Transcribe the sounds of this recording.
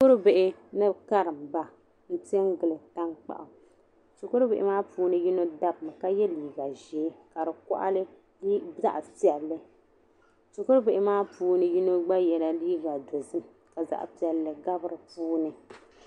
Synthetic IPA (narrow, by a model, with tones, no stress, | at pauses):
skʊ˦ɾbɪ˨ʔɪ˦nɨ˦ka˦ɾɨ˨mba˨ | n̩˦tɛ˦ŋɡɨ˨lɨ˨ta˦ŋk͡pa̰˨ʔa˨ | so˨ko˦ɾɨ˦be˨ʔɪ˦maː˦puː˦nɨ˨ji˦no˦da˦bm˨ka˦jɛ˦liː˨ɡa˨ʒeː˨˦ka˨ɾɨ˨kɔ̰˦ʔa̰˦lɨ˦ | za̰˦ʔpi˨ɛ˨lːɨ˦ | so˨kʊ˦ɾbe˨ʔɪ˦maː˦puː˦nɨ˨ji˦no˦ɡ͡ba˦jɛ˨la˨liː˦ɡa˨do˨zɨ˦m | ka˨za̰˦ʔpi˨ɛ˨lːɨ˨ɡa˦bɨ˦ɾɨ˨puː˦nɨ˨